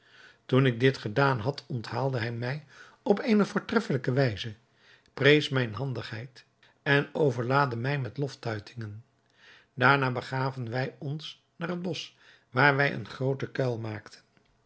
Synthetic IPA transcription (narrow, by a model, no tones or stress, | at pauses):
tunɪɡ̚dɪtχədaːnɦɑtʰɔntɦaːlˠdəɦɛjmɛj | ɔpeːnəvʊːɹtrɛfələkəʋɛjzə | prejsmɛjnɦɑndəχɦɛjt | ɛnowvəɹlaːdəmɛjmɛtlɔftœɥtɪŋən | daːɹnaːbəχaːvənʋɛjɔns | naːrɦəd̚bɔs | ʋaːɹʋɛjʔə̰nχrowtəkɛlˠmaːktʰə̥n